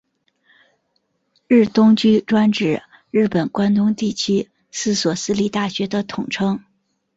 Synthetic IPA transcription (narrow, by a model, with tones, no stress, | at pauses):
ɻɻ̩˥˩t̪ʊ˥ŋt͡ɕy˥ʈ͡ʂwa˥nʈ͡ʂɻ̩˨˩ | ɻɻ̩˥˩pə˨˩nkwa˥nt̪ʊ˥ŋt̪i˥˩t͡ɕʰy˥ | sɹ̩˥˩swɔ˨˩sɹ̩˥li˥˩t̪a˥˩ɕɥɛ˧˥d̪ə˧t̪ʰʊ˨˩ŋʈ͡ʂʰɤ˥ŋ